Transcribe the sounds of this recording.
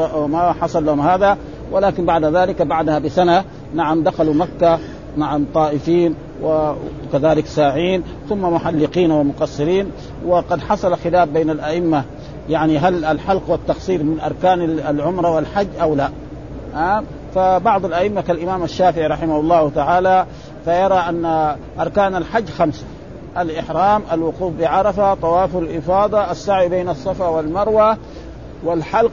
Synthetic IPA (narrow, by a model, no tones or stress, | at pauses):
maħɑsˤɑlːahʊmhaːða | wʔɪlaːkɪnbaʕd̪aðaːlɪkbaʕd̪ahabɪsana | naʕamd̪axalumakːa | naʕamt̪ˤɑːʔɪfiːn | wakaðaːlɪksaːʕiːn | θʊmːamʊħalːɪqiːnwɪmʊqɑsˤːɨɾiːn | wɪqɑd̪ħɑsˤɑlxɪlaːbbeːnalʔaʔɪmːa | jaʕniɦalalħɑlqwat̪ːɑqsˤiːɾmɪnʔɑɾˤkaːnalʕʊmɾˤɑwalħad͡ʒːʔawla | a | fabɑʕd̪ˤalʔaʔɪmːakalʔɪmaːmaʃːaːfɪʕiɾˤɑħɪmahʊlˤːɑːt̪aʕaːla | fajɑɾˤɑʔanːa | ʔɑɾˤkaːnalħad͡ʒːxamsḁ | ʔalʔɪħɾˤɑːmʔalwʊquːfbɪʕɑɾˤɑfat̪ˤɑwɑːfʊllʔɪfɑːd̪ˤɑʔasːaʕwibeːnɑsˤːɑfawalmɑɾˤwa | walħɑlq